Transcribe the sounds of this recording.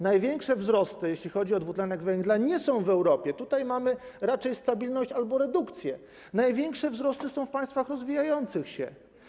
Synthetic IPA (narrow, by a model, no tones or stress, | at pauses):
najvʲjɛŋkʂɛvzɾɔst̪ɘjeɕlʲixɔd͡ʑiɔd̪vut̪lɛnɛɡvɛŋɡlaɲɛsɔ̃w̃vɛwɾɔpʲjɛt̪ut̪ajmamɘɾat͡ʂɛjst̪abʲilnɔɕt͡ɕalbɔɾɛd̪ukt̪sʲjɛ | najvʲjɛŋkʂɛvzɾɔst̪ɘsɔ̃w̃fpajst̪faxɾɔzvʲijajɔnt̪sɘxɕɛ̰